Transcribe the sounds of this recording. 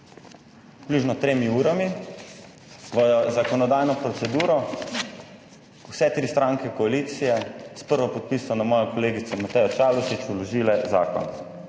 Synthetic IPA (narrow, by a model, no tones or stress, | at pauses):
pluːʒnɔt̪ɾeːmiuːɾami | ʋɔjɔzakɔnɔd̪aːjnɔpɾɔt̪sɛd̪uːɾɔ | wsɛt̪ɾist̪ɾãŋkɛkɔaliːt̪sijɛspəɾʋɔpɔt̪̚pisɔnamɔːjɔkɔleːɡit̪sɔmat̪ɛjɔt͡ʃalɔʃit͡ʃulɔʒiːlɛza̰ːkɔ̰n